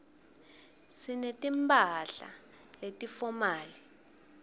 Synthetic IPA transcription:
sinetʼimpʰʼaɬa̰ | letʼifɔmaːli

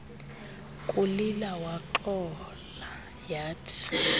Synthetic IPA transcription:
kʼulilawaǃɔ | la | jaːtʰi̥

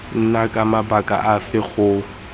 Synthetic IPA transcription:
n̩nakʼamabakʼa̰ʔafɪɣʊ

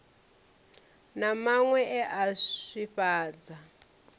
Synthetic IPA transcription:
namaŋwɛʔɛʔaiɸaːd͡za

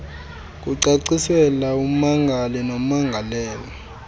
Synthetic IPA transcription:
k̬ʼuǀaǀisɛlaum̩maŋɡʱalɛnom̩maŋɡʱalɛːlɔ

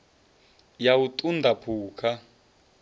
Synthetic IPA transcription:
jawutʼundʱapʰuːkʰa

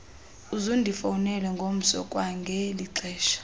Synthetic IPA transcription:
uzundʱifawunɛlɛŋɡʱom̩sɔ̰kʼwaŋɡʱɛliǀʰɛːʃḁ

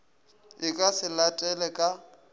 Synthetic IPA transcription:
ɪkʼasɪlatʼɛlɛkʼa

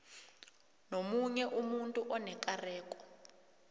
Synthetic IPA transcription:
nomuɲɛʔumuntʼuʔɔnɛkʼarɛːkʼɔ̥

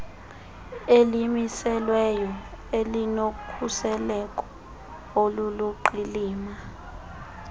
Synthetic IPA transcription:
elimisɛlwɛjɔ | elinokʰusɛlɛkʼɔ̥ | oluluǃiliːma

